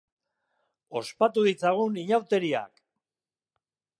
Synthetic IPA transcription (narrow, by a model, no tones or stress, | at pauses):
o̞spat̪uðit͡saɣ̞uniɲawt̪e̞ɾia̰k